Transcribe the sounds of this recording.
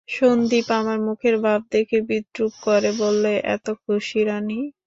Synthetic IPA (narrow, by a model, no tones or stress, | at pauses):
ʃond̪ipamaɾmukʰeɾbʱab̚d̪ekʰebid̪ɾuk̚koɾebolːeʔɛ̰t̪okʰoʃiɾani